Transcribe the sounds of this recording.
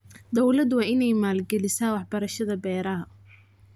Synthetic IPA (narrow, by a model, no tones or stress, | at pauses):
d̪ɔwlɐd̪wɑːɪnɛjmaːlɡɛlɪsaːwɑħbɐɾɐʃɐðɐbɛːɾɐɦɐ